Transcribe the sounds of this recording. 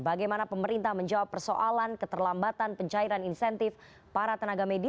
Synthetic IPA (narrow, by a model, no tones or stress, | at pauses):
baɡajmanapəməɾint̪ahməɲd͡ʒawapːərso̰ʔalankət̪ərlambat̪anpəɲt͡ʃaiɾaninsɛnt̪ɪf | paɾat̪ənaɡamedi